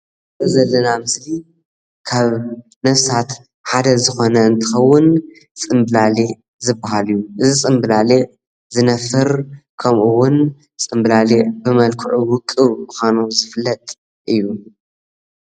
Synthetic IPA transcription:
ɐzɐlːɐnamɨsli | kʰaβ | nɐfsat̪ | ħad̪ɐzɨxo̞nɐɨnt̪ʰɨxɐwʊn | t͡sʼɨmbɨlale | zɨbahalɨjːuʔɨzisʼɨmbɨlale | zɨnɐfɨɾkʰɐmʔuwʊn | t͡sʼɨmblalebɨmɐlkʰɨʕuwʊkʼːɨmɨxanuzɨflːɐt̪ʼ | ʔɨjːu

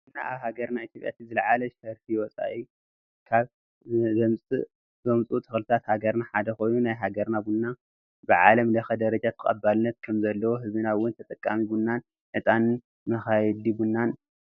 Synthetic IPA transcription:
na̰ʔa̰βhaɡɐɾnait̪jopʼja̰t̪ʰizɨlʕalɐʃɐɾfiwɔt͡sʼa̰ʔi | kʰaβ | zɐmt͡sʼɨ̰ | zɐmt͡sʼut̪ʼʰɨxlɨt̪ʰat̪haɡɐɾnaħad̪ɐxo̞jnunajɦaɡɐɾnabunːa | bɨʕa̰lɐmlɐxɐd̪ɐɾɐd͡ʒat̪ʰɐkʼɐ̰bːalnːɐt̪̚kʰɐmzɐlːɐwoɦɨzɨnawʊnt̪ʰɐt̪ʼɐkʼːamibunːan | ʔɨt̪ʼanɨn | mɐxajɛd̪ibunːan

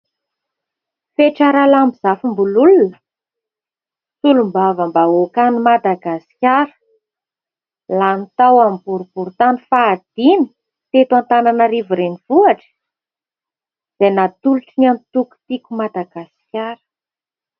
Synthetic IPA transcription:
feʈ͡ʂaɾalambiz̥afimbululunə̥ | sulumbavəmbaokanimad̪aɡasi̥kʲaɾə̥ | lanit̪awambuɾub̥uɾut̪anifaːd̪̥ini̥ | t̪et̪want̪ananəɾivuɾenivuaʈ͡ʂə̥ | z̥enat̪uluʈ͡ʂinant̪uku̥t̪ikʲumad̪aɡasi̥kʲaɾə̥

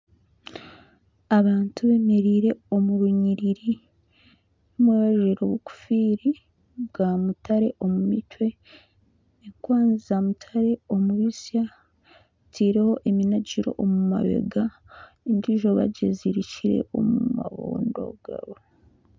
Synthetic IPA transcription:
aβaːntuβe̞me̞ɾiːɾe̞o̞muɾuɲiɾiɾi | nomweβaʒeɾoβuku̥fiɾi | bɡaːmutaɾe̞ʔo̞mumitwe̞ | eŋkwaːnzizamutʰaɾe̞o̞muβisja | tʰiːɾe̞ho̞ʔeminaɟiɾo̞̰ʔomuma̰βḛɡa | endiʒoβa̰ɟeziɾiciɾe̞̰o̞̰muma̰βṵːndo̞̰ɡ̥a̰βo

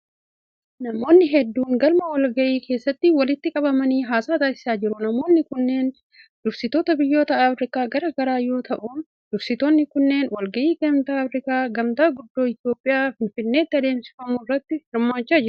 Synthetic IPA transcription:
nɐmo̞ːnːɪɦɛd̪ːuːŋɡɐlmɐwɐlɡɐʔiːke̞ːsːɐt̪ːɪwɐlɪt̪ːɪkʼɐbɐmɐniːɦaːsaːt̪aːsɪ̥saːd͡ʒɪɾʊnɐmo̞ːnːɪkʊnːe̞ːn | d̪̥ʊɾsɪt̪o̞ːt̪ɐbɪjːo̞ːt̪ɐːfɾɪkaːɡɐɾɐɡɐɾaːjo̞ːt̪ʰɐʔuːn | d̪ʊɾsɪt̪oːnːɪkʊnːe̞ːnwɐlɡɐʔiːkɐmt̪aːɐfɾɪkaːɡɐmt̪aːɡʊd̪ːo̞ːɪt̪jo̞ːpʼːɪjaːfɪnfɪnːe̞ːt̪ːɪɐd̪e̞ːmsɪ̥fɐmʊrːɐt̪ːɪhɪɾmaːt͡ʃːaːd͡ʒɪɾʊ̥

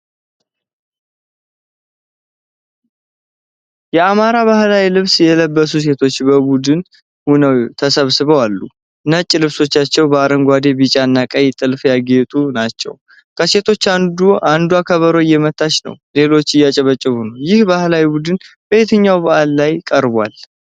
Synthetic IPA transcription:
jɛamaɾaβahlawilɨβsjɛləbːəsus̬e̞t̪ʰo̞t͡ʃːbəbud̪ɨn | hunəwt̪ʰəsəβsɨβəwalːu | nət͡ʃʼːlɨβso̞t͡ʃːat͡ʃːɛwbəaɾəŋɡʷad̪e̞bɨt͡ʃʼanːakʼəjt̪ʼɨlfjaɡet̪ʼunat͡ʃːɛ̰w | kʰəse̞t̪ʰo̞t͡ʃːand̪uand̪uakʰəβəɾojːɛmət̪ʰʼːat͡ʃnə̰wle̞lo̞t͡ʃːɪjat͡ʃʼɛβət͡ʃʼːɪhunəwjɪhbahlawibud̪ɨn | b̥əjet̪ʰəɲːawbəʔalːajkʼəɾbʷa̰l

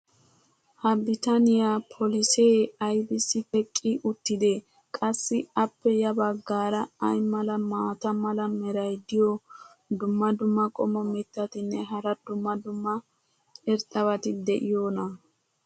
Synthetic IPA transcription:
hɐbɪt̪ɐnɪjapʰɔlɪseːɐjbɪsɪpʼɛkʼːɪʔʊt̪ːɪd̪ɛ | kʼɐsːɪɐpːɛjɐbɐɡːaːɾɐɐjmɐlɐmaːt̪ɐmɐlɐmɛɾɐjd̪ɪjo | d̪ʊmːɐd̪ʊmːɐkʼɔmɔmɛt̪ːɐt̪ɪnːɛɦɐɾɐd̪ʊmːɐd̪ʊmːɐ | ɛɾt̪ʼɐβɐt̪ɪd̪ɛʔɪjoːnɐ

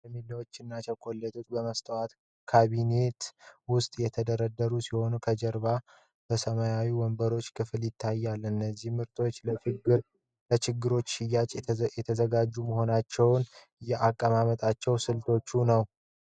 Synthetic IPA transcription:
jmilːawo̞t͡ʃːɪnːat͡ʃɛkʼolːɛt̪ʰʼut̪bəməst̪ʼəwat̪ | kʰaβine̞t̪wʊst̪ʼjɛt̪ʰəd̪əɾəd̪ːəɾusiho̞nukʰəd͡ʒɛɾba | b̥əsəmajawiwɔmbəɾo̞t͡ʃːkʰɨfljɪt̪ʰːajːalːɨnːəzːihmɨɾt̪ʰʼo̞t͡ʃː | ət͡ʃɪɡːɨɾo̞t͡ʃːɪjat͡ʃʼjɛt̪ʰəzəɡad͡ʒːuməɦo̞nat͡ʃːɛwn | ɨjɛʔakʼːəmamət̪ʼat͡ʃːɛwsɨlt̪ʰo̞t͡ʃːunəw

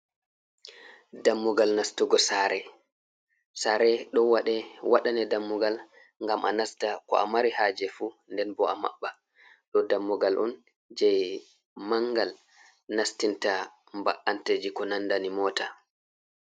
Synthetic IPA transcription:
damːuɡalnastuɡɔsaɾɛ | saɾɛɗɔwaɗɛwaɗanɛdamːuɡal | ŋɡamʔanastakɔ̰ʔa̰maɾihaːd͡ʒɛfu | ndɛnbɔama̰ɓːa | ɗɔdamːuɡalʔṵn | d͡ʒɛj | maŋɡal | nastinta | mba̰ʔanted͡ʒikɔnandanimɔːta

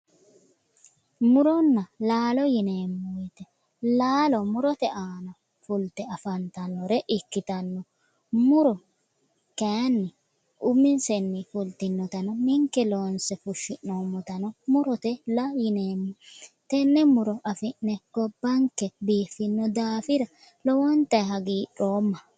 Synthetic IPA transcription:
mʊɾɔnːɐlaːlɔjɪneːmːʊjɪt̪ɛ | laːlɔmʊɾɔt̪ɛʔaːnɐ | fʊlt̪ɛɐfɐnt̪ɐnːɔɾɛʔɪkːɪt̪ɐnːɔ | mʊɾɔ | kaːnːɪ | ʔʊmɪnsɛnːɪfʊlt̪ɪnːɔt̪ɐnɔmɪŋkːɛloːnsɛfʊʃːɪʔːoːmːɔt̪ɐnɔmʊɾɔt̪ɛlɐjɪneːmːɔt̪ɛnːɛmʊɾɔʔɐfɪnːɛɡ̥ɔbːɐŋkɛbiːfːɪnːɔd̪aːfɪɾɐ | lɔwɔnt̪ɐjɦɐɡiːᶑoːmːɐ

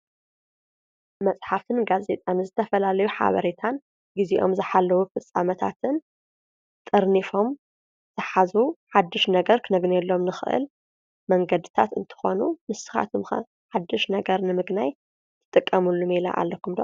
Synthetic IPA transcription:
mɐsʼħaft̪ʰɨnɡaze̞t̪ʼanɨzɨt̪ʰɐfɐlalɐjuħa̰βɐ̰ɾet̪ʰan | ɡiziʔo̞̰mzɨħalːɐwufɨsʼamɐt̪ʰa̰t̪ʰɨn | t̪ʼɨɾnifo̞m | zɨħazuħad̪ːɨʃnɐɡɐɾkʰɨnɐɡnɛlːo̞mnɨxɨʔɨ̰l | mɐŋɡɐd̪ɨt̪ʰa̰t̪ɨnt̪ʰɨ̥xo̞numɨsɨ̥xa̰t̪ʰumx | ħad̪ːɨʃnɐɡɐɾnɨmɨɡnaj̪ʰ | ɨ̥t̪ʼɨkʼːɐmulːumela̰ʔa̰lːɐkʰumd̪ɐ

